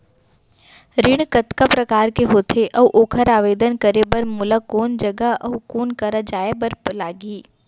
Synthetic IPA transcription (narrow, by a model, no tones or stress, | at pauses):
ɾɪɽ̃kɐt̪kapɾɐkaːɾkeɦoːt̪ʰeʔɐʋʔoːkʰəɾaːʋeːd̪ənkəɾebɐɾmʊlakoːnd͡ʒɐɡəʔɐʋkoːnkɐɾad͡ʒaːebɐɾlaːɡiː